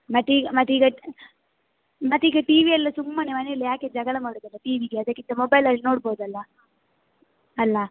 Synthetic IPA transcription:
mɐt̪ːiːɡɐmɐt̪ːiːɡɐ | mɐt̪ːiːɡɐʈiːʋiɐlːɐsumːɐnemɐneilːɐjaːked͡ʒɐɡɐɭɐmaːɽud̪ɐlːɐʈiːʋiːɡeɐd̪ɐkːint̪ɐmobɐjlɐlːino̞ːɽboːd̪ɐlːɐ | ɐlːɐ

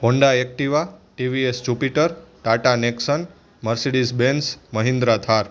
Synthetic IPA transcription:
ɦõɳɖaek̚ʈiʋaʈiʋiesd͡ʒupiʈəɾʈaʈaneksən | məɾseɖisbensməɦĩnd̪ɾat̪ʰaɾ

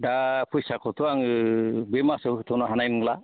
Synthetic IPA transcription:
dapʰujsakʰɔt̪ʰuaŋbemaset̪ʰɔnaɦanajnŋla

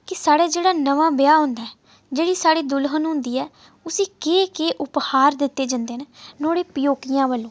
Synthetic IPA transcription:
kɪsaːɽaːd͡ʒeːɽaːnəʋãːbɪjaːɦʊ̃nd̪aːɛ | d͡ʒeːɽiːsaːɽiːd̪ʊlɦənɦʊ̃nd̪iːɛː | ʊsĩːkeːkeːʔʊphaːɾd̪ɪt̪ːeːd͡ʒãnd̪eːnenoːɽeːpɪjoːkijãːʋəlːõː

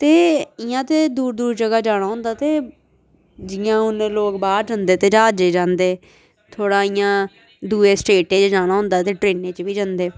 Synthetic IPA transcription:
t̪eːɪjãːt̪eːd̪uːɾd̪uːɾd͡ʒəɡaːd͡ʒaːɽ̃aːɦʊ̃nd̪aːt̪eː | d͡ʒɪjãːʊnẽːloːkbaːɾd͡ʒənd̪eːt̪eːd͡ʒaːd͡ʒeːd͡ʒãːnd̪eː | t̪ʰoːɽaːɪjãː | d̪uːeːsʈeːʈẽːt͡ʃd͡ʒaːɽ̃aːɦʊ̃nd̪aːt̪eːʈɾeːnẽːt͡ʃʋiːd͡ʒənd̪eː

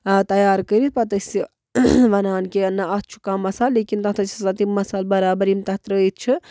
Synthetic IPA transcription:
t̪ɐjaːɾkəɾit̪̚pɐt̪əsi | ʋɐnaːnkeɐnːaɐt̪t͡ʃʰu̥kaːmːɐsaːlːeːkint̪ɐt̪ɾɐt͡ʃʰisat̪immɐsaːlbɐɾaːbəɾimt̪ɐt̪ɾəət̪̚t͡ʃʰi

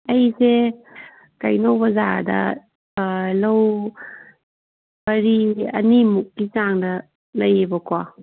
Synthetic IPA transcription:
ɐjse | kɐjnowbɐzadɐ̰ | lɐw | bɐɾiɐ̰nimukːit͡ʃaŋdɐ | lɐjebɐkwa

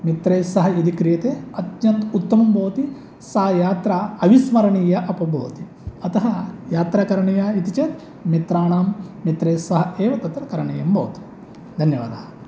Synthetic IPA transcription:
mit̪ɾeːsɐɦɐid̪ikɾijɐt̪eːɐt̪jɐnt̪ut̪ːɐmɐmbʱoːɐt̪i | sɐɦɐjaːt̪ɾɐɐʋismɐɾɐɳiːjɐʔɐpɐbʱo̰ːɐt̪i | ɐt̪ɐɦɐjaːt̪ɾɐkɐɾɐɳɐjaːit̪it͡ʃeːt̪ | mit̪ɾaːɳaːmːit̪ɾeːsɐɦɐeːʋɐt̪ɐt̪ɾɐkɐɾɐɳɐjɐmbʱɐʋɐt̪i̥ | d̪ʱɐnjɐʋa̰ːd̪ɐɦɐ

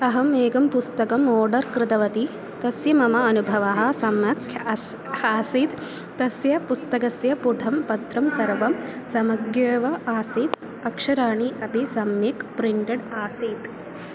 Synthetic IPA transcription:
ɐɦɐmeːɡɐmpust̪ɐkɐmoːɖɐɾkɾɪt̪ɐʋɐt̪i | t̪ɐsjɐmɐmɐːnubʱɐʋɐɦɐ̆sɐmɐkʰjɐs | aːsiːt̪ | t̪ːɐsjɐpust̪ɐkɐsjɐpuɖʱɐmpɐt̪ɾɐmsɐɾʋɐm | sɐmɐɡjeːʋɐaːsiːt̪ | ɐkʂɐɾaːɳiʔɐpisɐmjɐkpɾiɳʈɐɖaːsiːt̪

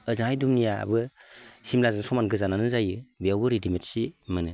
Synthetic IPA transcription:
ɯzaŋhajdumnija̰bɯsimlazɯnsɔmanɡɯzananɯzajɯbijawbɯɾidimetsimɯnɯ

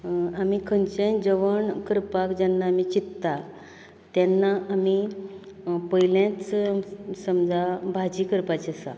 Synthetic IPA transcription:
amikʰənt͡ɕẽd͡zəʋəɳkəɾpakd͡ʑanːaːmit͡ɕit̪ːt̪a | t̪janːaʔami | pəjljãt͡s | səmd͡zabʱad͡ʑiːkəɾpat͡ɕesa̰

